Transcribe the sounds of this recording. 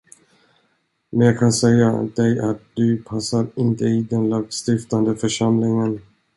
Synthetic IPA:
mɛnjɑkʰansɛjːad̪ɛjʔa̰t̪̚d̪̥ɵpʰasːaɾɪnt̪əɪd̪ɛnlɑːɡst̪ɪft̪and̪əfœʂamlɪŋən

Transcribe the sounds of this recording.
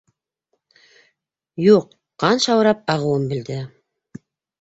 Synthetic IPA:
juqː | ɑnʃɑwɾɑp̚ɑʁɤ̆wɤmbɘ̆ld̪ɘ

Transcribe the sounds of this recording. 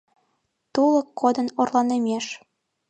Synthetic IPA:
t̪ulokːod̪ə̆norlɑnemeʃ

